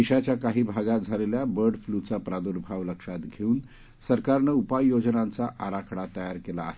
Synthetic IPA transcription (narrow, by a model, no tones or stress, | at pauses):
iɕat͡ɕjakaɦiːbʱaɡat̪̚d͡zʱaleljabəɾɖflut͡sapɾad̪uɾbʱaʋləkʂat̪ɡʱeuːn | səɾkaɾnəupajjod͡znãnt͡saʔaɾakʰəɽat̪əjaɾkela̰ːɦe